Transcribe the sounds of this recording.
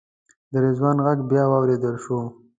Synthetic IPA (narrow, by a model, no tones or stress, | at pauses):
d̪əɾezwɑnɣaɡbjɑwɑwɾed̪əlʃo